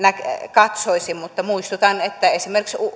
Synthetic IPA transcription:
nækkɑt̪soisimmut̪ːɑmuist̪ut̪ɑnet̪ːæesimerkiksu

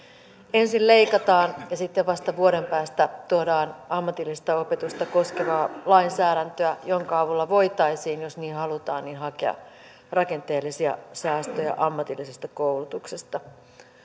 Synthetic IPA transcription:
e̞nsille̞ikɑt̪ɑːnjɑsit̪ːeʋʋɑst̪ɑʋuoɾe̞mpæːst̪æt̪uoɾɑːnɑmːɑt̪ilːist̪ɑopet̪ust̪ɑko̞skeʋɑːlɑinsæːɾænt̪øæjoŋkɑɑʋulːɑʋo̞jt̪ɑisiːnjosniːhɑlut̪ɑ̰ːnninɦɑkeɑ̰ | rɑke̞nt̪eːlːisiɑ̰sæːst̪øjɑ̰ʔɑmːɑt̪ilːisest̪ɑkoulut̪uksest̪ɑ

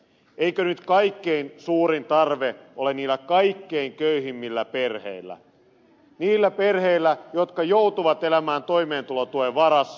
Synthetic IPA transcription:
eikønyt̪kɑikːeinsuːɾint̪ɑrʋeʔoleniːlːˑækɑikːeiŋkøyɦimːilːæpe̞rhḛilˑːæ̰ | niːlːæperheilːæjot̪kɑjout̪uʋɑt̪elæmæːnt̪oime̞ːnt̪ulot̪ueʋɑɾɑs

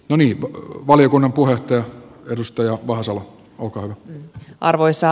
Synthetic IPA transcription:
noniːʋʋɑljokunːɑmpuheot̪ːɑjɑedust̪ɑjɑʋɑhɑsɑlɑ | olkɑːhyʋæʔɑ̰rʋoisːɑ

